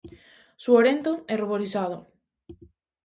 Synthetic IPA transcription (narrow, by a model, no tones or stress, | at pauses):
suoɾent̪oɛruβoɾisaðo